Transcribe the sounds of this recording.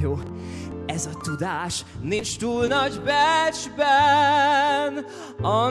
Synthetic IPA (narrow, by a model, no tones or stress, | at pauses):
oː | ɛzɒt̪ud̪aːʃ | nint͡ʃt̪uːlnɒɟbɛd͡ʒbɛ | n | ɒ